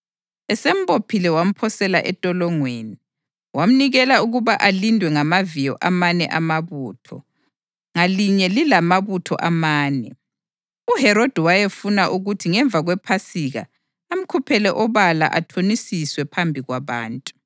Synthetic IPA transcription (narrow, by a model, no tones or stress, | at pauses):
ɛsem̩bʼopʰilɛwam̩pʰɔsɛla̰ʔɛtʼɔlɔŋweːni | wam̩niɣɛlauɣuβaʔalindʱwɛŋamavijɔʔamanɛ̰ʔamaβuːtʰɔ̰ | ŋaliɲɛlilamaβutʰɔ̰ʔamaːnɛ̰ | uhɛɾod̥ʱiwajefunaʔuɣutʰiŋɛɱb̪vʱaɣwɛpʰasiɣa̰ː | m̩kʰupʰɛlɛʔɔβala̰ʔatʰonisiswɛpʰambʱiɣwaβa̰ːntʼu̥